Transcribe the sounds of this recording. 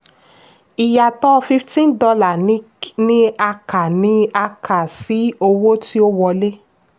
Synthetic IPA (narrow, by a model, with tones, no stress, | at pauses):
i˨ja˨tɔ˦˧fi˦ftĩ˦n˦dɔ˧la˨˦ | nĩ˦a˧ka˨nĩ˨˦a˧kʰa˨si˨˦o˧wo˦ti˦o˦wɔ˧˨le˦